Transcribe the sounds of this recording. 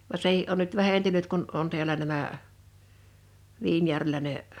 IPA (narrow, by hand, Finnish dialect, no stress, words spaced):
ʋɑ sehiʔ ʔon nyt ʋæhentynyt kun on ti̞ælæ næmæ ʋiːnjærʋelæ ne